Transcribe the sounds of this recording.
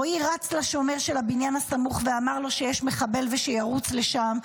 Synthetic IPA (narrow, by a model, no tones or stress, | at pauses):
oiʁat͡slaʃomeʁʃe̞labinjanhasamuχveamaʁlo̞ʃe̞jɛʃme̞χabe̞lve̞ʃejaʁut͡sleʃam